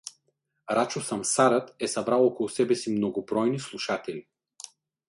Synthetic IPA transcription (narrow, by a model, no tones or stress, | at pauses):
ɾat͡ʃosɐmsaɾət̪ɛsɐbɾalˠɔkɔlˠusɛbɛsimnoɡobɾɔjnislˠuʃat̪ɛlʲi